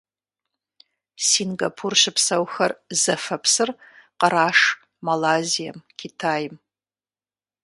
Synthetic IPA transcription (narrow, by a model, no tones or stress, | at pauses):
sinɡapʰurʃɨpsɐwxɐrzɐfɐpʰsɨrqəɾaːʂ | malaːzija̰mkʲʰitʰaːjm